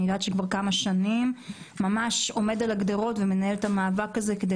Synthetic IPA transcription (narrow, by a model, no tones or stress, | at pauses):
idat̪ʃekvaʁkamaʃanimː | amaʃo̞me̞d̪alaɡd̪eʁo̞tveme̞nae̞let̪amaːvakaze̞ked̪e